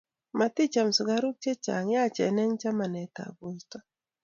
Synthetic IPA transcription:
ma˨t̪ɪ˦t͡ʃa˨msʊ˨ɡa˦ɾʊ˦k̚t͡ʃe˦t͡ʃa̰˨ŋja˦˨t͡ʃɛ˨˦nɛ˦ŋt͡ʃa˦ma˨nɛ˨ta̰˨ɡwe˨ta˦

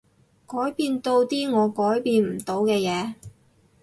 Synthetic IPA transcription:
kɔː˨˥jpiː˧nt̪o˧wt̪iː˥ŋɔː˨˧kɔː˨˥jpiː˧nm̩˨˩t̪o˨˧wkɛː˧jɛː˨˧

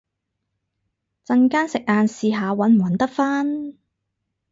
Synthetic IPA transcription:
t͡sɐ˧ŋkaː˥nsɪ˨k̚ʔaː˨˧nsiː˧ɦaː˨˧wɐ˨˥nm̩˨˩wɐ˨˥nt̪ɐ˥k̚faː˥n

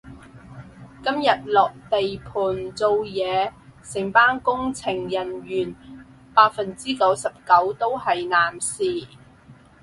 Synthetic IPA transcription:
kɐ˥mjɐ˨t̚lɔː˨k̚t̪e˨jpʰuː˨˩nt͡so˨˧wjɛː˨˧sɪ˨˩ŋpaː˥nkʊ˥ŋt͡sʰɪ˨˩ŋjɐ˨˩njyː˨˩n | paː˧˥t̚fɐ˨nt͡siː˥kɐ˨˥wsɐ˨p̚kɐ˨˥wt̪o˥whɐ˨jnaː˨˩msiː˨

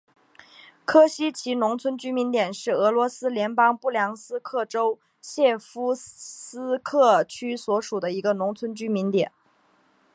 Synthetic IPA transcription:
kʰɤ˥ɕi˥t͡ɕʰi˧˥nʊ˧˥ŋt͡sʰwə˥nt͡ɕy˥mi˧˥nt̪jɛ˨˩nʂɻ̩˥˩ɤ˧˥lwɔ˧˥sɹ̩˥ljɛ˧˥npɑ˥ŋpu˥˩ljɑ˧˥ŋsɹ̩˥kʰɤ˥˩ʈ͡ʂo˥ʊ | ɕjɛ˥˩fu˥sɹ̩˥kʰɤ˥˩t͡ɕʰy˥swɔ˧˥ʂu˨˩d̪ə˦i˧˥ɡə˧nʊ˧˥ŋt͡sʰwə˥nt͡ɕy˥mi˧˥nt̪jɛ̰˨˩˦n

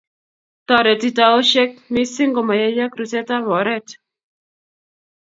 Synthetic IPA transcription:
t̪ɔ˨ɾɛ˨t̪i˦˨ta˨o˦ʃɛ˦k̚mi˦sɪ˦ŋɡo˨ma˨ja˦ja˦kɾu˨sɛ˦ta˦βɔ˨ɾɛ˦t̪

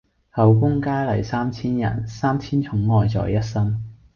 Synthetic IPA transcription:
hɐ˨˩wkʊ˥ŋkaː˥jlɐ̰˨˩jsaː˥mt͡sʰiː˥njɐ̰˨˩nsaː˥mt͡sʰiː˥nt͡sʰʊ˨˧˥ŋːɔː˨˧jt͡sɔ̰ː˨˩jɐ˥t̚sɐ˥m

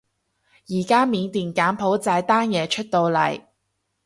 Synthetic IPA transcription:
jiː˨˩kaː˥miː˨˧nt̪iː˨nkaː˨˥npʰo˨˥wt͡saː˧jt̪aː˥njɛː˨˧t͡ʃʰɵ˥t̚t̪o˧wlɐ̰˨˩j

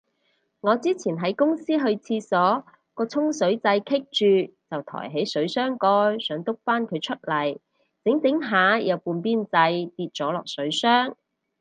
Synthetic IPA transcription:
ŋɔː˨˧t͡siː˥t͡sʰiː˨˩nɦɐ˨˥jkʊ˥ŋsiː˥ɦɵ˧ɥt͡sʰiː˧sɔː˨˥ | kɔː˧t͡sʰʊ˥ŋsɵ˨˥ɥt͡sɐ˧jkʰɪ˥k̚t͡ʃyː˨t͡sɐ˨˩wt̪ʰɔ̰ː˨˩jɦe˨˥jsɵ˨˥ɥsœː˥ŋkɔː˧jsœː˨˥ŋt̪ʊ˥k̚faː˥nkʰɵ˨˧ɥt͡ʃʰɵ˥t̚lɐ˨˩j | t͡sɪ˨˥ŋt͡sɪ˨˥ŋɦaː˨˥jɐ˨˧wpuː˧npiː˥nt͡sɐ˧jt̪iː˧t̚t͡ʃɔː˨˥lɔː˨˩k̚sɵ˨˥ɥsœː˥ŋ

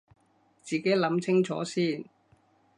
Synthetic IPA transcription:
t͡siː˨˩ke˨˥jlɐ˨˥mt͡sʰɪ˥ŋt͡ʃʰɔ̰ː˨˥siː˥˩n

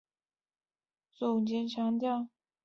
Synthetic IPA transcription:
t͡sʊ˨˩ŋt͡ɕjɛ˧˥nt͡ɕʰjɑ˧˥ŋt̪jɑ˥˧ŋ

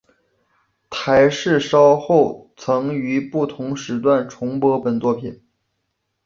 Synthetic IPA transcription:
t̪ʰa˧˥ɪʂɻ̩˥˩ʂɑ˥ʊxo˥˩ʊt͡sʰɤ˧˥ŋy˧˥pu˥˩t̪ʰʊ˧˥ŋʂɻ̩˧˥t̪wa˥˩nʈ͡ʂʰʊ˧˥ŋpɔ˧˥pə˨˩nt͡swɔ˥˩pʰi˨˩˦n

